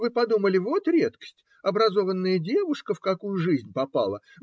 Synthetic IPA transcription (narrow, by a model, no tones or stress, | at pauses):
vɨpɐd̪uməlʲɪvo̞t̪ɾʲe̞t̪kə̥sʲtʲ | ɐbɾɐzo̞vənːəjədʲe̞vʊʂkəfkɐkujʊʐɨzʲnʲpɐpa̰lˠə